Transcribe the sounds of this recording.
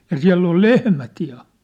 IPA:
jɑ siæ̝lː ol lehmæt jɑ

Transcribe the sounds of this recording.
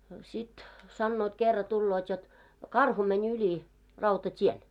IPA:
no sit sɑnːoːt kerːɑ tulːoːt jot kɑrhu mɛnʲ ylʲi rɑutɑtʲien

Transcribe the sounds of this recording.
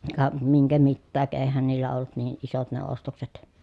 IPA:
kɑ miŋkæ mitːæːk eːhæn niːlːæ olːut niːʔ ʔisot ne ostokset

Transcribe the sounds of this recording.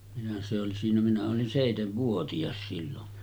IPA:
minæ se oli siːnæ minæ olin seˑiteʋːuotiɑs silːon

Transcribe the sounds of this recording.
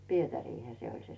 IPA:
pietæriːhæ se olʲ se

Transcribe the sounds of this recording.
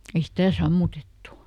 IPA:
ei stæˑ sɑmːutetːu

